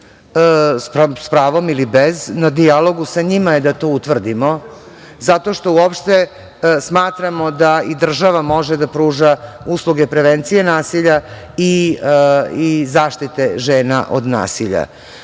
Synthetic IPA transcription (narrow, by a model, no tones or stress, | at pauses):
sspɾaːʋo̞milibeznad̪ialo̞ɡusaɲimajed̪at̪oːut̪ʋr̩d̪imo̞ | zat̪o̞ʃt̪o̞uopʃt̪e | smaːt̪ɾamo̞d̪aid̪r̩ʒaʋamo̞ʒed̪apɾuːʒauslˠuɡepɾe̞ʋent̪sije̞naːsiʎa | i | izaːʃt̪it̪e̞ʒeːna̰ʔo̰d̪na̰ːsiʎa̰